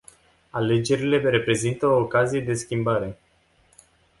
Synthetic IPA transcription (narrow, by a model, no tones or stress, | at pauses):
ale̞d͡ʒe̞ɾile̞ɾe̞pɾe̞zint̪əoːkazije̞d̪e̞skʲimbaɾe̞